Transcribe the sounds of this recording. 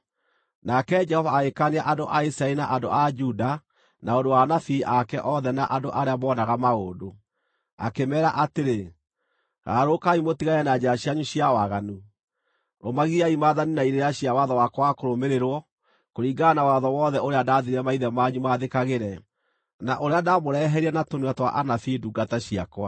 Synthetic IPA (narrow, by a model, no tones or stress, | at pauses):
nakɛd͡ʒɛhɔvaːɣekaneaʔandoʔaisɾaɛɾinaʔando̰ʔad͡ʒuda | naondowanafiːʔakɛʔɔðɛnaʔandoʔaɾeamɔːnaɣamaɣoːdo | a̰kemɛːɾaʔateɾe | ɣa̰ɾokaimotiɣaɛnad͡ʑaɕiaɲuɕiawaɣanu | omaɣiaimaːðaninaiɾeeaɕijawaðɔwakɔwakoɾomeɾeɾwɔ | koɾiːɡanawaðɔwɔðɛoɾeadaðiɾiɛmaiðɛmaɲumaðekaɣeɾɛ | naʔoɾeadamoɾɛɦɛɾiɛnatoniatwa̰ʔanafiːduɡataɕiakwa